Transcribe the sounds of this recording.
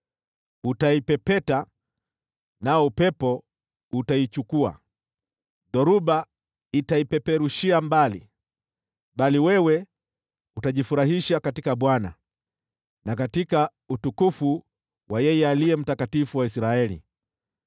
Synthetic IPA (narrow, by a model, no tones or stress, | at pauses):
utaipɛpɛta | naɔupɛpɔ | utait͡ʃukua̰ | ðɔɾuɓa | itaipɛpɛɾuʃiambalḭ | ɓaliwɛwɛ | utaʄifuɾahiʃakatikaɓwana̰ | nakatika | utukufu | wajɛjɛaliɛm̩takatifuwaisɾaɛlḭ